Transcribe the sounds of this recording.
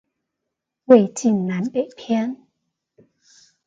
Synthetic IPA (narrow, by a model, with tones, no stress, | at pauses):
we˥˧˩jt͡ɕi˥˧˩nla˨˦˥npe˨˩jpʰɛ˥n